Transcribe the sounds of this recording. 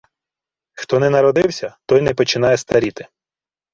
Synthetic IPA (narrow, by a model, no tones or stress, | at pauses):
xt̪ɔnɛnɐɾɔd̪ɪwsʲɐt̪ɔjnɛpɔt͡ʃɪn̪ɑjɛst̪ɐɾʲit̪ɪ̥